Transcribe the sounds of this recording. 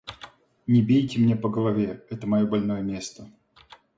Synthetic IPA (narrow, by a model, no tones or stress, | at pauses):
nʲɪbʲejtʲɪmnʲe̞pəɡəlˠɐvʲe̞ɛt̪əmɐjo̞bɐlʲno̞jəmʲe̞st̪ə